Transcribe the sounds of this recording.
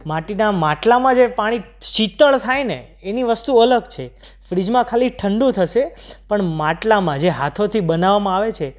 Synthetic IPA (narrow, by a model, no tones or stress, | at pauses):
maʈinamaʈlamãd͡ʒepaɽ̃iʃit̪əɭt̪ʰajnḛː | niʋəst̪uələɡt͡ʃʰe | fɾid͡ʒmãkʰaliʈʰəɳɖũt̪ʰəʃepəɳmãʈlamãd͡ʒeɦat̪ʰot̪ʰibənaʋamãaʋet͡ʃʰe